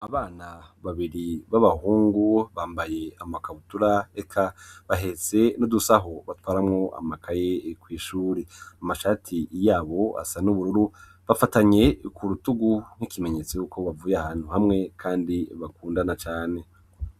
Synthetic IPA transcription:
aβaːnaβaβiɾiβaβahuːŋɡuβaːmbaje̞amakaβutuɾaekʰaβaɦe̞se̞nudusaɦoβatwaːɾamŋoʔa̰makʰaje̞kwiːʃuːɾeamaʃaːtʰijaːβo̞a̰sanuβuɾuɾu | βafataɲe̞kʰuɾutuɡuŋ̥hikime̞ɲe̞t͡sejukʰo̞βavuːjahaːn̥huhamŋe̞kʰaːndiβakuːndanat͡ʃaːne̞

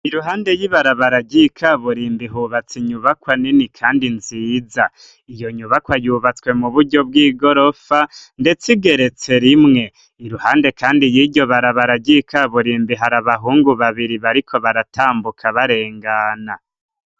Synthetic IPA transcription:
iɾuɦaːnde̞jiβaɾaβaɾaɟikʰaβuɾiːmbiɦuːβat͡siɲuβakwaninikʰaːndinziːza | ijo̞ɲuβakwajuːβat͡swe̞muβuɾɟo̞b̚ɡiːɡo̞ɾo̞fande̞t͡siɡe̞ɾe̞t͡se̞ɾimŋe̞ | iɾuhaːnde̞kaːndijiɟo̞βaɾaβaɾaɟikʰaβuɾiːmbiɦaɾaβaɦuːŋɡuβaβiɾiβaɾikʰo̞βaɾatʰaːmbukʰaβaɾe̞ːŋɡana

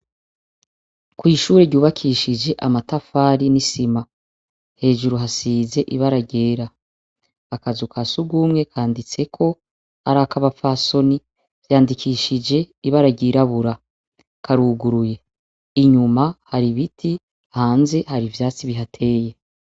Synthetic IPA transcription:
kwiːʃuːɾeɾɟuːβakʰiʃid͡ʒe̞ʔamatafaːɾinisima | he̞ːʒuɾuɦasiːze̞ʔiβaɾaɟe̞ːɾaː | kazukʰasuɡuːmŋe̞kʰaːndit͡se̞kʰo̞ | ha̰ɾakaβapfaso̞ni | vjaːndikʰiːʃid͡ʒe̞iβaɾaɟiɾaβuɾa | kʰaɾuɡuɾuje̞ | iɲumahaɾiβitʰi | ahaːnze̞haɾivjaːt͡siβiɦatʰe̞ːje̞

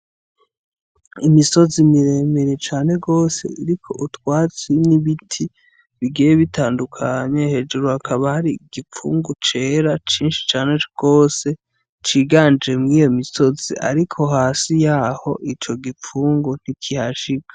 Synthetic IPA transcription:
imiso̞zimiɾe̞meɾet͡ʃaːne̞ɡo̞ːse̞̰iɾikʰo̞̰ʔutwaːt͡siniβitʰi | βiɡejeβitaːndukʰaɲe̞he̞ːd͡ʒuɾuhakʰaβahaɾiɡ̥ip͡fṵːŋɡut͡ʃe̞ːɾat͡ʃiːnʃi̥t͡ʃaːne̞ɡ̥o̞ːse̞ | t͡ʃiːɡaːnemŋiːjo̞miso̞ziʔa̰ɾikʰo̞ɦaːsijaːho̞ʔit͡ʃo̞ɡip͡fuːŋɡun̥ikʰihaʃikḁ

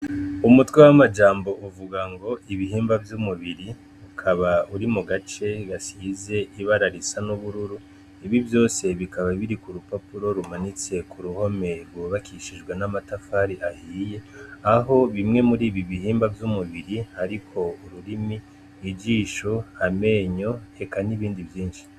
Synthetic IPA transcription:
umutwewamad͡ʒaːmbo̞ʔuvuɡaŋɡo̞iβihiːmbavjumuβiɾi | ukʰaβauɾimuɡat͡ʃe̞ɡasize̞ʔiβaɾaɾisanuβuɾuɾu | iβivjo̞ːse̞βikaβaβiɾikuɾupapuɾo̞ɾumanit͡se̞kuɾuho̞me̞ɾɡwoβakiʃiʒɡwenamatafaːɾiʔahiːje̞aɦo̞βimŋe̞muɾiːβiβihiːmbavjumuβiɾihaɾikʰo̞uɾuɾimi | id͡ʒiːʃoame̞ːɲo̞e̞kaniβiːndivjiːnʃi̥

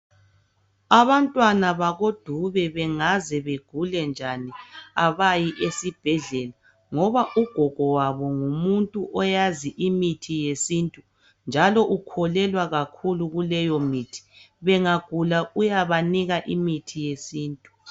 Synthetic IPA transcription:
aβantʼwanaβaɣod̥ʱuβɛβɛŋazɛβeɡ̥ʱulɛnd͡ʒʱaniaβajiʔesib̥ʱɛɮɛla | ŋɔβaʔuɡ̥ʱɔɡ̥ʱɔwaβɔŋumuntʼuʔɔjaziʔimitʰijesintʼu | nd͡ʒʱalɔʔukʰɔlɛlwaɣakʰuluɣulɛjɔmitʰi̥ | βɛŋaɡ̥ʱulaʔujaβaniɣaʔimitʰijesiːntʼu

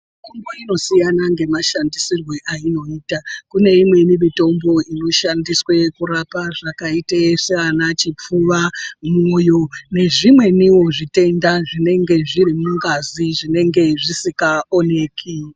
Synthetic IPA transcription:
mitombo̞ino̞sijanaŋɡe̞maʃandisirwe̞ʔaino̞iːtakune̞imwe̞nimito̞mbo̞ino̞ʃandiswe̞kuɾapaʐakaiteʂeanat͡ʃip͡fuʋamojo̞ne̞ʐimwe̞niwo̞ʐite̞ndaʐine̞ŋɡe̞ʐirimuŋɡaziʐine̞ŋɡe̞ʐisikaoneːkʰi

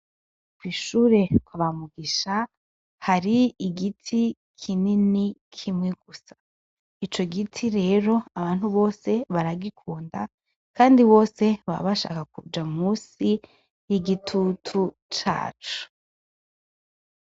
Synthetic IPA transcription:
kwiːʃuːɾe̞kwaβamuɡiʃa | haɾiiɡitʰi | kʰininikʰimŋeɡ̥usḁ | it͡ʃo̞ɡitʰiɾe̞ːɾo̞aβaːn̥huβo̞ːse̞βaɾaɡikʰuːnda | kaːndiβo̞ːse̞βa̰βaʃa̰ːkakṵd͡ʒamuːsi | jiɡitʰutʰu | t͡ʃa̰ːt͡ʃu̥

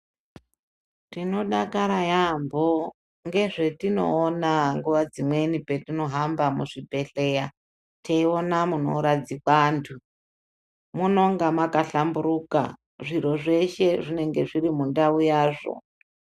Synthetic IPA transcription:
tino̞ɗakaɾajambo | ŋɡe̞ʐe̞tino̞̰ːnaŋɡuʋad͡zimwe̞nipe̞tino̞ɦambamuʐibʱe̞ɬe̞ːja | tʰeio̞namuno̞̰ɾad͡zikwaːntʰu | muno̞ŋɡamakaɬambuɾuːka̰ | ʐiɾo̞ʐe̞ʃe̞ʐine̞ŋɡe̞̰ʐiɾimundaujaːʐo̰

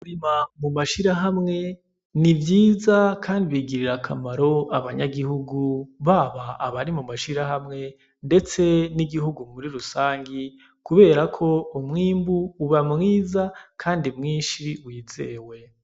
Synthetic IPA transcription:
uɾimamumaʃiɾaɦamŋe̞ | nivjiːzakʰaːndiβiɡiɾiɾakʰamaɾo̞aβaɲaɡihuɡuβaβaːβaɾimumaʃiɾaɦamŋe̞ | nde̞t͡se̞niɡiɦuɡumuɾiɾusaːŋɡi | kuβe̞ːɾakʰo̞umŋiːmbuːβamŋiːzakʰaːndimŋiːnʃiwizeːwe̞

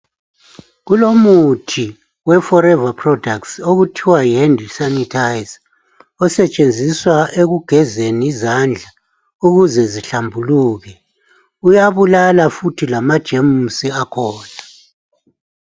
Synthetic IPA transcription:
ɣulomutʰi | wɛfɔɾɛvapʰrɔdʱaksoɣutʰiwajendʱisanitʰajz | ɔsɛt͡ʃʼend͡zʱiswaeɣuɡ̥ʱɛzeniizand͡ɮʱa | uɣuzɛziɬambʱuluːɣɛ | ujaβulalafutʰilamad̥ʒ̥ʱemusiakʰɔːna

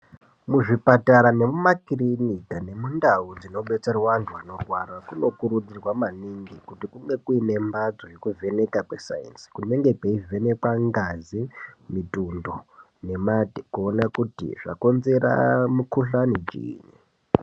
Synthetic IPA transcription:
muʐipataɾane̞mumakrinikane̞mundaud͡zino̞ɓe̞t͡saruwantʰuano̞rʱwarakuno̞kuɾud͡zirwamaniŋɡikutikuŋɡe̞kuine̞mbad͡zo̞jekuvʱe̞ne̞kakwesa̰jḛnskuneŋɡe̞peivʱe̞ne̞kwaŋɡazimitundo | ne̞matikuonakutḭʐ̥a̰ko̞nze̞ɾa̰mukuɬanit͡ʃḭːni

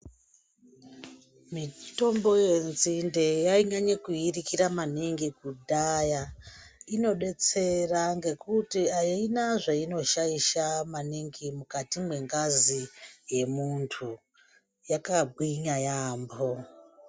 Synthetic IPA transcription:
mito̞mbo̞jenzindejaiɲaɲekuirikiɾamaniŋɡikudʱajaino̞ɗe̞t͡se̞raŋɡe̞kutiainaʐaino̞ʃaiʃamaniŋɡimukatimwe̞ŋɡazije̞muntʰu | jakabʱwiɲajaːmbo

